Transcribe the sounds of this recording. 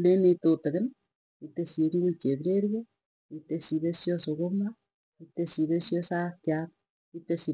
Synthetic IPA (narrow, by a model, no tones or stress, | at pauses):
lenetoteɣen | itesiŋɡuit͡ʃeβɾeɾwe | itesiβesjosoɣoma | itesiβesjosakjaɾ | itesi